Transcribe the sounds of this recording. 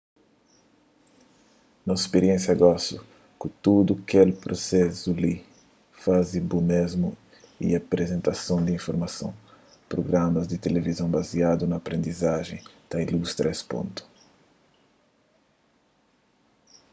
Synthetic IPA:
nɐspeɾiẽnsjɐɡɔsu | kut̪ud̪ukelpɾosɛzuli | fazibumezmṵ | ḭapɾezẽnt̪asõw̃d̪iĩɱfoɾmasõ̰w̃ | pɾoɡɾamɐzd̪ɪt̪elevizɐ̃w̃baziad̪unɐːpɾẽnd̪izaʒẽj̃t̪ɐilust̪ɾɐespõ̰nt̪u̥

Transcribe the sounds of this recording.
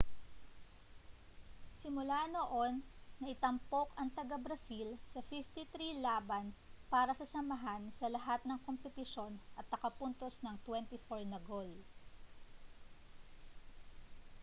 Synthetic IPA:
sɪmʊlanoʔo̞nːɐʔɪt̪ɐmpo̞kɐŋt̪ɐɡɐbɾɐsilsɐfift̪it̪ɾilaːbɐnpaːɾɐsɐsɐmɐɦansɐlɐɦat̪̚nɐŋkompɛt̪ɪʃo̞nʔɐt̪̚nɐkɐpunt̪o̞snɐŋt̪wɛnt̪ɪfoɹnɐɡo̞l

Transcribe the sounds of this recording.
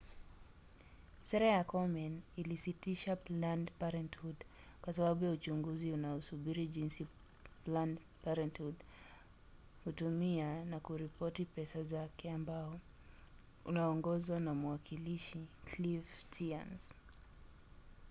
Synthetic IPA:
sɛɾajakɔmɛnilisitiʃaplandpaɾɛnthud | kwasaɓaɓujaut͡ʃuŋɡuziunaɔsuɓiɾiʄinsi | pland | paɾɛnthud | hutumianakuɾipɔtipɛsazakɛambaɔ | ṵnaɔŋɡɔzwanamuwakʰiliʃiklivtʰia̰ns

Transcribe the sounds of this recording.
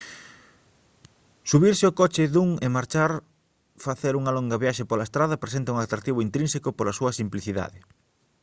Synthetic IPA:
suβiɾsɪokɔt͡ʃɪðuŋɪmaɾt͡ʃaɾ | faθeɾuŋɐlɔŋɡɐβjaʃepolɐest̪ɾaðɐpɾesent̪ɐuŋat̪ɾak̚t̪iβʊint̪ɾĩnsekʊpolɐsuɐsimpliθiða̰ðɪ

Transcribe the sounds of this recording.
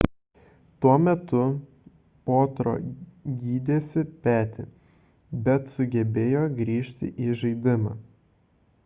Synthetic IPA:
t̪uɔmʲɛt̪ʊ | poːt̪ɾo̰ːɡʲiːd̪ʲeːsʲɪpʲæːt̪ʲɪ̰ | bʲɛt̪sʊɡʲɛbʲeːjoːɡɾʲiːʃʲt̪ʲɪ̰ʔiːʒɐɪd̪ʲɪmɑː

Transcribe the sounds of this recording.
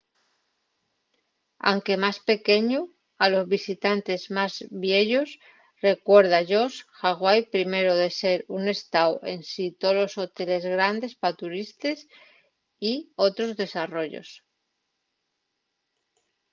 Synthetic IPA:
a̰wŋke̞maspe̞ke̞ɲu | alo̞zβisit̪ant̪e̞zmazβje̞ʎos | re̞kwe̞ɾð̞aʝo̞sxaɣ̞wajpɾime̞ɾoðe̞se̞ɾune̞st̪awe̞nsit̪olo̞so̞t̪e̞le̞zɣɾand̪e̞spat̪uɾist̪e̞s | io̞t̪ɾo̞zðe̞saro̞ʎo̞̰s

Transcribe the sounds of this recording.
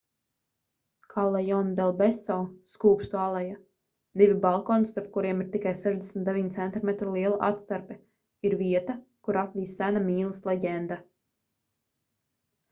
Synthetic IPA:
kʰalˠːɛjɔnd̪ɛlˠbesɔːskuːpst̪ualˠɛja | d̪ivʲibalˠkɔːnist̪aɾp̚kuɾiɛmiɾt̪ikajseʒd̪esmʲt̪d̪evʲiɲt̪sɛnt̪imɛt̪ɾulˠiɛlˠaʔa̰t̪st̪aɾpɛ | iɾviɛt̪akuɾapvʲiːsːænamiːlˠəslˠeɟɛnd̪a

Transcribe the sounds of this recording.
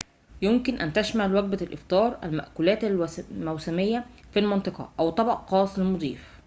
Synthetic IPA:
jomkɪnʔænt̪æʃmæʕlwæɡ̚bælʔɪft̪ˤɑːɾˤʔæ̰lmæʔkulæːt̪ælmæwsæmejːæfilmɑnt̪ɨqɑ̰ʔæwt̪ˤɑbɑʔqɑːsˤelmod̪ˤiːf

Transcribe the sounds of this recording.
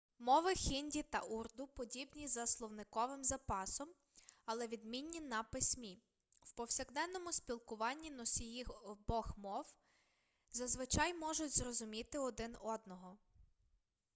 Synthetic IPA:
mɔʋɪxʲinʲdʲit̪ɐʔurd̪ʊpɔdʲibnʲizɐslˠɔwnɪkɔʋɪmzɐpɑsɔm | ɐlˠɛʋʲid̪mʲinʲːinɐpɪsʲmʲi | wpɔwsʲɐɣd̪ɛnːɔmʊspʲilˠkʊʋɑnʲːinɔsʲijixbɔxmɔw | zɐzʋɪt͡ʃɑjmɔʒʊtʲzrɔzʊmʲit̪ɪɔd̪ɪnɔd̪nɔɦɔ

